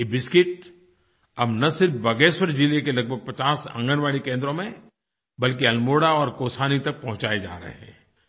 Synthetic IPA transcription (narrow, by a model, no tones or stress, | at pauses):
ebɪskɪʈ̚ | ɐbnɐsɪɾfbɐɡeːʃwəɾd͡ʒilekelɐɡ̚bʱəɡ̚pɐt͡ʃaːsɐ̰̃ŋɡənʋaːɽikẽːnd̪ɾõmẽ | bɐlk̬iɐlmoːɽaɔːɾkoːsaːnit̪ɐk̚pɐɦʊ̃t͡ʃaːed͡ʒa̰ːɾɐ̰ɦḛɦɛ̰̃ː